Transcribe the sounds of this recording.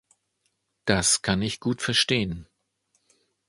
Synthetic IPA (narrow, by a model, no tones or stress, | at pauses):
d̥askʰanɪçɡ̥uːtfɛɐʃteːən